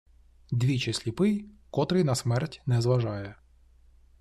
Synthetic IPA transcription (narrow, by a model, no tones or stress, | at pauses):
d̪ʲʋʲit͡ʃɪsʲlʲipɪjkɔt̪ɾɪjnɐsmɛrtʲnɛzʋɐʒɑjɛ